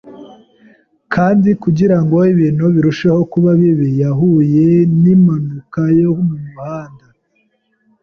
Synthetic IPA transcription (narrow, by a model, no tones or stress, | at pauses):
kʰaːndikuɟiɾaŋɡo̞iβiːnhuβiɾuʃaho̞kuβaβiβijaɦuje̞nimanukajohumuɲuhaːnda